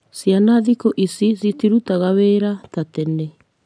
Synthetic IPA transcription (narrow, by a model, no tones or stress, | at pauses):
sianaðikɔʔisisitiɾut̪aɣaweːɾat̪atɛnɛ